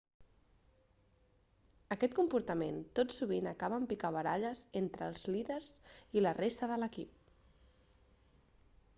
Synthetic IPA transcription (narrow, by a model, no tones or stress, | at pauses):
əkɛt̪̚kumpuɾt̪əment̪otsuβ̞inəkaβəːmpikaβ̞əɾaʎəzent̪ɾəlˠzliðəɾzilərest̪əðələkip̚